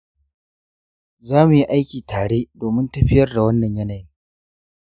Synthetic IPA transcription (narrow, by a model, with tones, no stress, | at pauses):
zaː˦mu˨ji˦ʔa˦jkʲiː˨taː˨ɽeː˦doː˨mɪ˦ntɐ˦ɸɪ˦jɐ˦rda˨wɐ˦nːɐ˨ɲjɐ˦na˨ji˦